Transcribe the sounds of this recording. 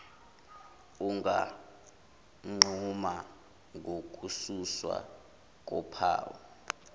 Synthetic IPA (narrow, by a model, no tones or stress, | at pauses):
uŋɡa | ŋ͡ǃʱuma | ŋʱok̬ʼususwa̰ | k̬ʼɔpʰa̰ːwɔ